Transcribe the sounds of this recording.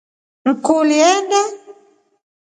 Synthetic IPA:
ŋ̩kɔliɛnda

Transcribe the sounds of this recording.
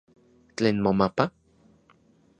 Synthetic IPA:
t͡ɬeːnmomapa

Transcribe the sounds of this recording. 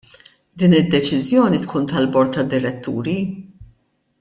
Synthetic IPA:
d̪iːnɪd̪ːɛt͡ʃɪzjɔːnit̪kʰuːnt̪ɐlbɔɾt̪ːɐd̪ːɪɾɛt̪ːṵːɾi

